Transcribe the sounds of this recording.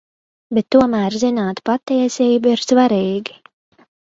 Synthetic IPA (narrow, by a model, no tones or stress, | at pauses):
bet̪ːuɔmæːɾzinaːt̪pat̪ːiɛsiːbuiɾsvaɾiːɡi̥